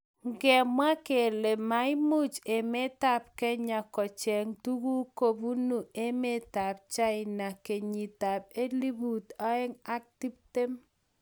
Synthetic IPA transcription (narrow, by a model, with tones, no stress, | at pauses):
ŋɡɛ˨mwa˦ke˨le˨ma˨˦ɪ˦mʊ˦t͡ʃe˨me˦ta˦p̚kɛ˦ɲa˨kɔ˨t͡ʃɛ˨ŋtu˦ɡu˦ko˨bu˦nu˨e˦me˦ta˨p̚t͡ʃa˦ɪ˨na˨ke˨ɲi˨ta˨p̚e˦li˦bu˨tɔ˦ɛ˦ŋa˦k̚ti˦b̚te˦m